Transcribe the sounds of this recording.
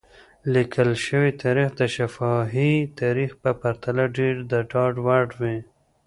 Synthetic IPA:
likʰəlʃəwit̪ʰaɾixd̪əʃafɑɦit̪ʰaɾixpəpaɾt̪alaɖeɾd̪əɖɑɖwaɖwi

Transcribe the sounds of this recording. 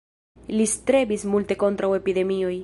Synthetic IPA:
list̪ɾe̞bismulte̞ko̞ntɾawe̞pid̪e̞mio̞j

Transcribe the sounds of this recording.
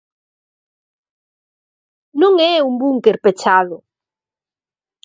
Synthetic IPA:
nõŋɛuŋbuŋkeɾpet͡ʃaðʊ

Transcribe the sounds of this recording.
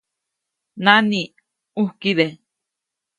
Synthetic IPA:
nani | uhkiðe

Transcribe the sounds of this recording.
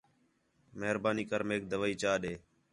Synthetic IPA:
məɦɾbaːniːkəɾmeːk̚d̪əʋaːiːt͡ʃaːɗeː

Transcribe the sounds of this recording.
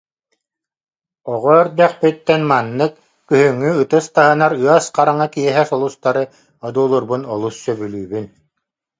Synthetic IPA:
ɔʁɔœɾd̪ɛχpit̪ːɛnmanːɯkː | yɦyŋːyɯt̪ɯst̪aɦɯnaɾɯasqaɾaŋakiɛɦɛsɔlˠust̪aɾɯ | ɔd̪uːlˠuɾbunɔlˠusːœbylʲyːbyn

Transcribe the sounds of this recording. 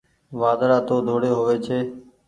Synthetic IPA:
ʋaːd̪ɾaːt̪oːd̪ʱoːɽeːɦoːʋeːt͡ʃʰeː

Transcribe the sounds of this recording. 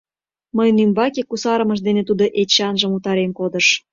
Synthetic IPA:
məjnymbɑkekusɑɾə̆mɤʃ̬d̪enet̪ud̪oʔet͡ɕːɑnʒə̆mut̪ɑɾemkod̪ə̆ʃ

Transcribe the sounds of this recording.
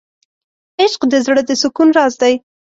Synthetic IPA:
ɪʃqd̪əzɽəd̪əsʊkunɾɑzd̪aj

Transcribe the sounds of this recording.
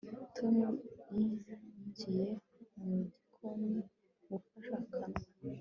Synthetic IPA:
tʰomjicije | mudikʰomi | ɡukaʃakʰana

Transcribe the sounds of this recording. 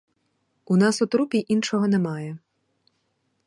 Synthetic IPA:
unɑsɔt̪ɾupʲiʔinʃɔɦɔnɛmɑjɛ

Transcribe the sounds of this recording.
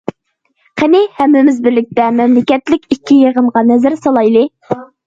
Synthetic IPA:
qʰenɪhɛmːɪmɪzbɪɾlɪk̚ʲt̪ɛmɛmlɪkʲɛt̪lɪkʲikʲʰːijeʁəmʁɑnɛzɪɾsɑlˠɑjlˠɨ

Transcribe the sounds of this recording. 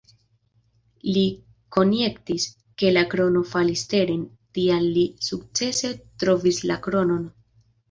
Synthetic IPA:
li | ko̞nje̞ktis | ke̞lakɾo̞no̞faliste̞ɾen | tianːisuk̚t͡se̞se̞tɾo̞vislakɾo̞no̞n

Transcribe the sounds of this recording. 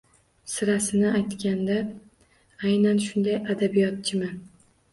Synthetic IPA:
sɪɾasɪnɪajt̪kʲand̪a | ajnanʃʊnd̪ajad̪abijɒt̪̚t͡ʃʰɪmɪn

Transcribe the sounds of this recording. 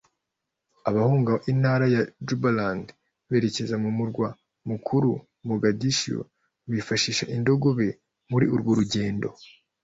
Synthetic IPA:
aβahuːŋɡaʔinhaːɾajad͡ʒubaland | βe̞ɾe̞ce̞zamumuɾɡwa | mukʰuɾu | muɡadiʃo̰ | βifaʃiʃaʔindo̞ɡo̞βe̞ | muɾiuɾɡwoɾuɟe̞ːndo̞̰

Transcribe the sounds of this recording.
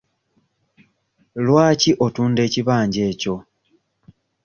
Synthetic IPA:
lwaːciʔo̞tuːnde̞ːciβaːɲɟe̞ːco̞

